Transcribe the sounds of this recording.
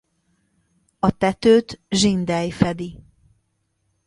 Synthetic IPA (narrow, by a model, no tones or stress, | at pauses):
ɒt̪ɛt̪øːt̪ʒind̪ɛjfɛd̪i